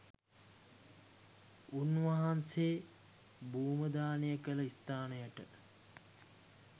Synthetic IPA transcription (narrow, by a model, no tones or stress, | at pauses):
unʋaɦanseː | bʱuːməd̪aːnejəkələist̪aːnəjəʈə